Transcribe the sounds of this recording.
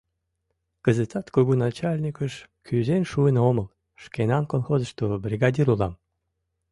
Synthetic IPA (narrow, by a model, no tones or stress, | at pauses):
kəzət̪ɑt̪koɣunɑt͡ɕalʲnʲikəʃkyzenʃuənoməlˠ | ʃkenɑnkolˠxozə̆ʃt̪obrʲiɣɑd̪ʲiɾulˠɑm